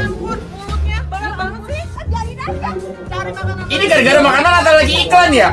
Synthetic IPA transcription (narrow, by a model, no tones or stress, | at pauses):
iniɡaɾɡaɾamakananat̪awlaɡiːklanja